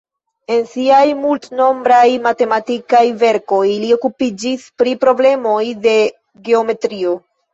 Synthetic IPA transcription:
e̞nsiajmultno̞mbɾajmate̞matikajve̞ɾko̞jlio̞kupid͡ʒispɾipɾo̞ble̞mo̞jde̞ | ɡe̞o̞me̞tɾio

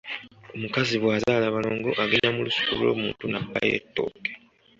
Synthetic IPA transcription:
o̞mukaziβwaːzaːlaβalo̞ːŋɡo̞ʔaɡeɲamulusu̥kullo̞̰ːmuːntunabːa̰jḛtːo̰ːke

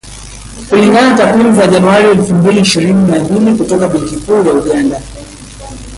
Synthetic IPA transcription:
kuliŋɡanatakwimizaʄanuaɾiɛlfumbiliːʃiɾininabilikutɔkaɓɛŋkikuːjauɠanda

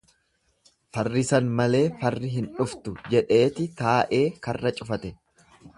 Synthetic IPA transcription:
fɐrːɪsɐnmɐle̞ːfɐrːɪɦɪnᶑʊft̪ʊd͡ʒɛᶑe̞ːt̪ɪt̪aːʔe̞ːkɐrːɐt͡ʃʼʊfɐt̪ɛ

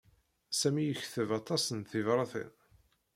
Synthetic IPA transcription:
sæmijəçθəvɑt̪ˤɑsənθivɾˤɑθə̰n

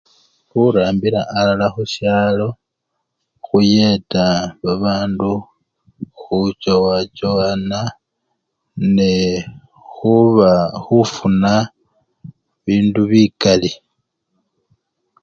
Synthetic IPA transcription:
xuɾaːmbiɾaʔːlalaxuʃjaːlo̞ | xuje̞taβaβaːndu | xut͡ʃowat͡ʃowana | ne | xuβaxufuna | βiːnduβikali

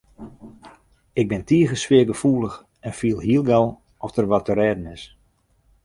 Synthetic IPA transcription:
ɪɡ̚bɪntiəɣəsʋɪəɡəfuːlˠəx | ɛnfiəlˠɦiəlˠɡɔlˠ | ɔfdərʋɔtəɾɛːdənɪs

